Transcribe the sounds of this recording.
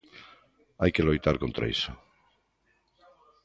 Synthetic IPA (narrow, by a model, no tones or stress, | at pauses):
ajkelojt̪aɾkont̪ɾʔa̰ḭso